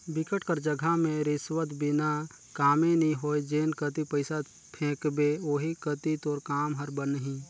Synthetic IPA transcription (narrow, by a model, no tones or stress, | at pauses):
bɪkəʈkəɾd͡ʒəɡʱamẽɾɪswət̪bɪna | kaːmẽnĩɦoːjd͡ʒeːnkət̪ipəɪsa | pʰẽːkbeoːɦikət̪it̪oːɾkaːmɦəɾbənəɦĩ